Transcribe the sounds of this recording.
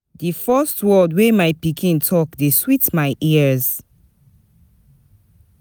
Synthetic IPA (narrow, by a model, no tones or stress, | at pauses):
difɜstwɜdwemajpikʰĩntʰɔkdeswitmaɪʔiz